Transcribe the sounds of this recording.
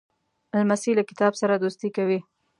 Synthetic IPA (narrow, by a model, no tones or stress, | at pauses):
almasilakɪ̥t̪ɑbsaɾad̪ost̪ikawi